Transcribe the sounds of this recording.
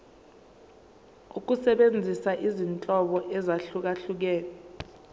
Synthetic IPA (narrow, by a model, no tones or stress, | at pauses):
uk̬usɛɓend͡zʱisaʔizint͡ɬʼɔɓɔʔɛzaɬuk̬aɬuk̬ɛːk̬a